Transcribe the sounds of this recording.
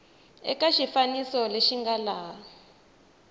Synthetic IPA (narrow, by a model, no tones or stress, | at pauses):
ɛ̰kaʃifanisɔleʃiŋɡalaː